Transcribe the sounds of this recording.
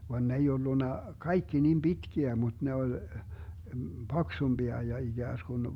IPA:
ʋɑn n ei olːunːɑ kɑikːi nim b̥itkiæ mut ne olʲ b̥ɑksumb̥iɑ jɑ iɡ̊æːsɡ̊un

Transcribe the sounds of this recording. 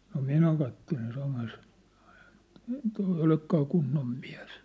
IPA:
no minæ kɑtːelen sɑmɑs toi eĭ olekːɑː kunːom mi̥æ̥̝s

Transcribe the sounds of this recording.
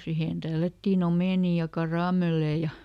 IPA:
sihen tælːætːiːn omeˑniˑ jɑ kɑrɑˑmelːeː jɑ

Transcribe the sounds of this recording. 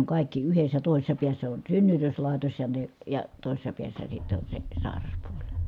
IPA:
oŋ kɑˑi̯kːi yhesˑæ toˑisesˑɑ piæsːæ on synːytøslɑˑi̯tos jɑ ne jɑ toˑi̯sesːɑ piæsːæ sitːe on se sɑˑi̯rɑspuolʲ

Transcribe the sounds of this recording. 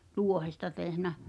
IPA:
tuohestɑ tehnæ

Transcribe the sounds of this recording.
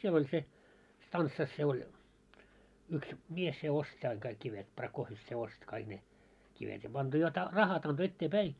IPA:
siel olʲ se stɑnsːɑs se olʲ yks mies se ostĭ ɑiŋ kɑik kiʋet prɑkoːfjef se ost kɑiɡ̊ ne kiʋet jɑ ɑnto jot rɑ rɑhɑt ɑnto etːeːpæi

